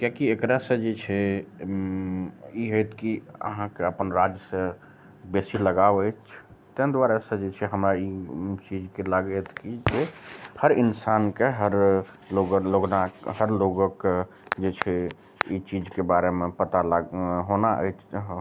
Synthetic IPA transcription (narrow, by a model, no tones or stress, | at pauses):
kjãkiekɾasẽd͡ʒet͡ʃʰɛ | iɦojt̪ʰkiə̰ɦãkeəpənɾad͡ʒjəsẽ | besiləɡabəjt͡ʃʰt̪ẽnd̪waɾasə̃d͡ʒet͡ʃʰɛɦəmɾait͡ʃid͡ʒkelaɡət̪ʰkid͡ʒehəɾinsaːnkeɦəɾ | loɡloɡnaɦəɾloɡək | d͡ʒet͡ʃʰɛ | it͡ʃid͡ʒkebaɾemẽpət̪alaɦonaʔə̰ɪt͡ʃʰ